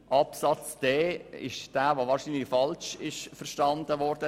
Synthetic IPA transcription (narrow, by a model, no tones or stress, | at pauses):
ʔɑpsɑt͡sd̥ɛːɪ̰ʃd̥æːʋoʋɑːɾʃinlɪfɑlʃɪʃfəɾʃtɑnd̥əʋɔɾd̥ə